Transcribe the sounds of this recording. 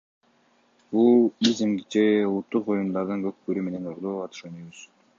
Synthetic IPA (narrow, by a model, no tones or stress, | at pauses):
bulˠizimd͡ʒeulˠut̪ːuqbo̞jund̪ɑɾd̪ɯŋɡøk̚køɾyme̞ne̞nuʁlˠuːɑt̪ʰy̥ʃønyβyz̥